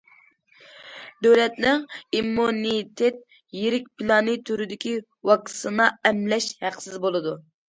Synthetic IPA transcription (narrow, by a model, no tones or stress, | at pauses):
d̪øwlɛt̪nɪŋimːunit̪ʰet̪̚ | jeɾɪk̚ʲpilˠɑnit̪ʰyɾyd̪ɪkʲi | wɑksɨnɑɛmlɛʃhæqsɪzbolˠɨd̪u